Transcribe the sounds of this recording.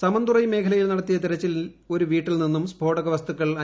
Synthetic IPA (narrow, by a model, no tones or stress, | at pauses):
sɐmɐnd̪urɐjme̞ːkʰɐlɐjilnɐɽɐt̪ːijɐt̪̬iɾɐt͡ɕːil | o̞ɾuʋiːʈːilninːumsbʱo̞ːɽɐɣɐʋɐst̪ukːɐɭɐ